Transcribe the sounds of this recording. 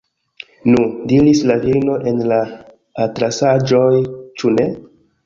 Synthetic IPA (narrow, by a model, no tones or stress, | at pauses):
nudiɾislavino̞ʔe̞nlaː | tɾasad͡ʒo̞jt͡ʃune̞